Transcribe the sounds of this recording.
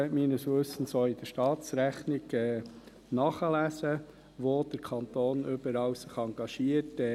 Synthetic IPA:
ɛmiːnəsʋɵsən̩soːɪd̥̪əɾʃtɑːtsɾæχnɪɡɛː | nɑːχəlæːsə | ʋoːd̪̥əɾkʰɑnt̪oːnʏbəɾɑːwsɪχɑŋɡ̥ɑʃiətɛ

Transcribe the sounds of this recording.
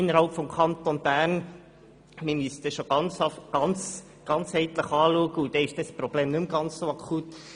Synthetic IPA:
ɪnːəɾhɑlpfɔmkʰɑnt̪onb̥æːɾn | mɪmysəd̥̪ɛʃoɡ̥ɑnt͡sɡ̥ɑnt͡s | ɡ̥ɑnt͡shɛɪt̪ləχɑːluəɡəʊd̥̪ɛːɪʃd̥ɛspɾɔb̥leːmnʉmɡɑnt͡ssoɑkʰut

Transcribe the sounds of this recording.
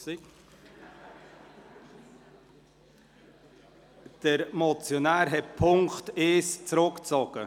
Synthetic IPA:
si | d̥əɾmɔt͡sjonæːɾɦɛt̚pʰʊŋkteːst͡sɾʊkt͡sɔɡ̥ə

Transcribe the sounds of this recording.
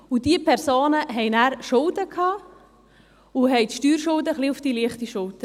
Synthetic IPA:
ʊdiəpʰɛɾsoːnəɦɛɪnæːɾʃʊldəkʰhɑː | ʊɦɛɪt̪ʃtyːɾʃʊldəχliʊfd̥iliəχtiʃʊltə

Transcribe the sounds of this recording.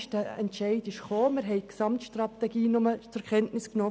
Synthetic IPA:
ʃtəɛntʃɛɪdɪʃχoːmɪɾɦɛɪksɑmtʃtrɑt̪ɛɡiːnʊmət͡sʊɾkʰɛntnɪsknɔː

